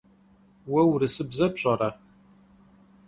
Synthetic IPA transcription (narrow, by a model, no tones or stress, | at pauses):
wɐwɾɨsɨbzɐpɕʼɐɾɐ